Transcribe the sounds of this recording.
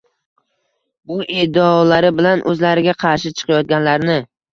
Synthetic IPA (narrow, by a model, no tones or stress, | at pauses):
bʊʔɪd̪ɪɒlaɾɪbɪlanʔɵ̰zlaɾɪɡʲaqʰɑɾʃɪt͡ʃʰɨ̥qʰɑjɒt̪̚ɡʲanlaɾnɪ